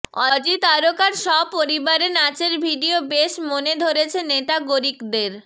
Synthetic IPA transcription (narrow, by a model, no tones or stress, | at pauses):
ɔd͡ʑit̪aɾokaɾʃɔpoɾibaɾenat͡ɕeɾbʱiɖiobeʃmoned̪ʱoɾet͡ɕʰeneʈaɡoɾikd̪eɾ